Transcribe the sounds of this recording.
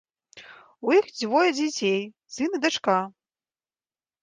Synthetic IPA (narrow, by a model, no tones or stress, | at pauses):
ujixd͡zʲvɔjɐd͡zʲat͡sʲej | sɨnɨd̪at͡ʂka